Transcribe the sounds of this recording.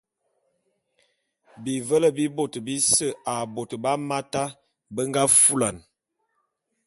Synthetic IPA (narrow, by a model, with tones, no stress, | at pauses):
bi˨və˦lə˦˨bi˦bo˨tbi˦sə˦˨a˨bo˨tba˦ma˦ta˦ | bə˦ŋɡa˦fu˦la˨n